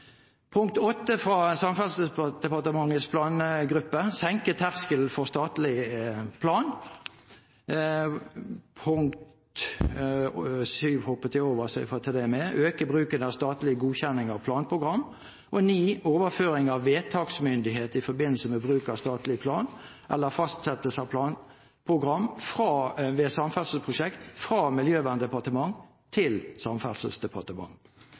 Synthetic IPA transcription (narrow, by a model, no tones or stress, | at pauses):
pʰʊŋk̚t̪ɔt̪ːəfɾɑːsɑmfɑlsd̪̥ɛpɑʁt̪əmɑŋːəspʰlɑːnɡʁʉpːəsɛŋkət̪ʰæʁskəlfɔst̪ɑːt̪lɪpʰlɑːn | pʰʊŋkt̪t̪ | syːʋhɔpːət̪ʰɪoːʋəsɛɪfɔt̪ʰɪd̪ɛmɛʔøːkəbʁʉːkənɑst̪ɑːt̪lɪəɡuːçɛnːɪŋɑʋpʰlɑːnpʰʁʊɡʁɑmː | ʔɔniːoːʋəføːɾɪŋɑʋːeːt̪ʰɑːɡsmʏnd̪ɪɦeːt̪ɪfɔɾbɪnl̩səmɛbʁʉːkɑst̪ɑːt̪lɪpʰlɑːnʔɛlːəfɑst̪sɛt̪əsɑʋpʰlɑːn | pʰʁʊɡɾɑmfɾɑːʋeːsɑmfælsəl̩spʰʁʊʂɛkt̪fʁɑːmɪljøːʋænd̪ɛpɑt̪əmɑŋ | t̪ʰɪlsɑmfælsəlsd̪ɛpʰɑt̪əmɑ̰ŋː